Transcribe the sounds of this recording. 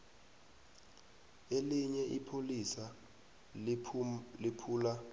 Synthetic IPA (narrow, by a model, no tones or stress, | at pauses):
eliɲɛʔipʰolisa | lipʰuːla